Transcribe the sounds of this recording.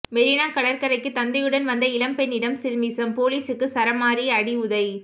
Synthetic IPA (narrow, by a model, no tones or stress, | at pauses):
mɛɾinaːkɐɭɐɾkɐɾɐɪkːɯt̪ɐnd̪ɐjɯɽɐnʋɐnd̪ɐɪlɐmpɛnːɪɽɐmsɪɾmiːsɐmpoːliːsɯkːɯsɐɾɐmaːɾiɐɽiʊðɐɪ